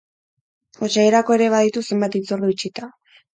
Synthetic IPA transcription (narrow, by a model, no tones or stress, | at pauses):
ot͡ʃaeɾako̞e̞ɾe̞β̞aðit̪use̞mbat̪it͡soɾðuit͡ʃit̪a